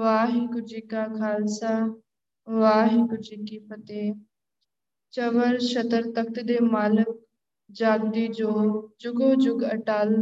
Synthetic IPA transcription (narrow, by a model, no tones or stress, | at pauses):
ʋaːɦĩkʊd͡ʒiːkakʰaːlsa | ʋaːɦikʊd͡ʒiːkipət̪eː | t͡ʃəʋəɾʃɐt̪əɾt̪ək̚t̪ɪd̪eːmaːlɪk̚ | d͡ʒaːɡ̚d̪id͡ʒoːd͡ʒʊɡod͡ʒʊɡəʈaːl